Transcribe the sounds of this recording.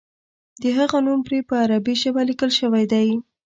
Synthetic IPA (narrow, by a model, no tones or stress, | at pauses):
d̪əɦaɣanumpɾepəaɾabiʃəbalikəlʃəwajd̪aj